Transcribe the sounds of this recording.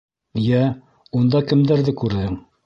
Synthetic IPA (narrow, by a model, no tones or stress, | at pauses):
jæ | und̪ɑkɘ̆md̪æɾðɘkʉɾðɘŋ